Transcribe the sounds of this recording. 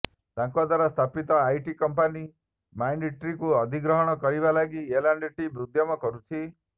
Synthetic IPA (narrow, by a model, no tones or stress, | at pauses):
t̪ãŋkod̪waɾast̪ʰapit̪ɔajʈikɔmpani | majɳɖiʈɾikuɔd̪ʱiɡɾɔɦɔɽ̃ɔkɔɾiβalaɡielaɳɖeʈibɾud̪jɔmɔkɔɾut͡ʃʰi